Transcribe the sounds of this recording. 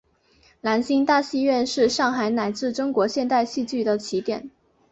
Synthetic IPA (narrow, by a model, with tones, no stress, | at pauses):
la˧˥nɕi˥ŋt̪a˥˧ɕi˥˧ɥɛ˥˧nʂɻ̩˥˧ʂɑ˥˩ŋxa˧˥ɪna˨˩ɪt͡sɹ̩˥˩ʈ͡ʂʊ˥ŋkwɔ˧˥ɕjɛ˥˧nt̪a˥˧ɪɕi˥˧t͡ɕy˥˩d̪ə˩t͡ɕʰi˧˥t̪jɛ̰˨˩˦n